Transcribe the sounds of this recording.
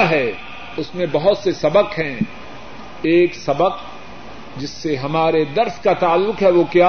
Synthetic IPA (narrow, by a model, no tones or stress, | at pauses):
ɦɛː | ʊsmẽbɐɦʊt̪sesɐbəqɦɛ̃ | eːksɐbəq | d͡ʒɪsːeɦɐmaːɾed̪ɐɾskat̪aːlːʊqɦɛʋokjaː